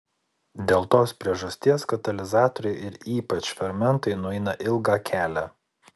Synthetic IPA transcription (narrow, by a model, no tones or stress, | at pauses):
d̪ʲeːlˠt̪oːspʲɾʲiɛʒɐsʲt̪ʲiɛskɐt̪ɐlʲɪzɑːt̪ɔɾʲɛɪɪɾiːpɐt͡ʃfʲɛɾmʲɛnˑt̪ɐɪnʊɛɪnɐʔɪlˠɡɑːkʲʰæːlʲæ